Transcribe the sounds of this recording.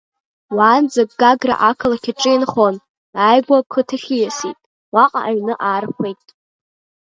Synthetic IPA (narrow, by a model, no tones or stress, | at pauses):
waːnd͡zak̚ʼɡaɡra̰ʔakʰɨlakʲʰɪʈ͡ʂʼɨinχon | ajɡʷakʰɨtʰɨχʲijasitʼ | waqʼa̰ʔaɥnɨʔaːrχʷejtʼ